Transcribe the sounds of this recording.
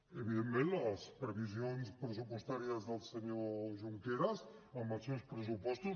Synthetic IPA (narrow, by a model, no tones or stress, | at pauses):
eβiðẽnt̪mẽnt̪aspɾeβiz̬jonspɾesupost̪aɾjazðalseɲoʒuŋkeɾasamasjonspɾes̬upɔst̪u